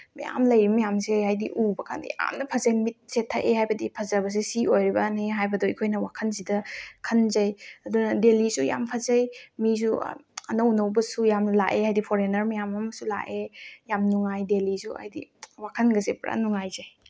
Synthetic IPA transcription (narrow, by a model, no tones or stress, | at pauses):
mɐja̰mlɐjɾimɐjamseɦajdḭʔubɐkʰa̰ndḭja̰mnɐpʰɐzanmit̚setʰːaʔehajbɐdipʰɐzɐβɐs̬isiojɾibɐneɦajbɐdoikʰojnɐwakʰɐnsidɐkʰɐnzɐjɐdunɐdelisuja̰mpʰɐzɐjmis̬ṵɐnɐwnɐwbɐsujamlaʔeɦajdipʰoɾenɐɾmɐjamamɐsula̰ʔejamnuŋajdelisua̰jdḭwakʰɐnɡɐsepɾa̰nuŋajzɐj